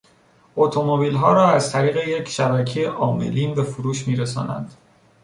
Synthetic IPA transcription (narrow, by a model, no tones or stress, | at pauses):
ʔot̪ʰo̞mo̞biːlɦɒːɾɒːæzt̪ʰæɾiːɣe̞je̞cʰʃæbæcʰejeʔɒːme̞̰liːnbe̞fuɾuːʃmiːɾesɒ̰ːnæ̰nd̪̥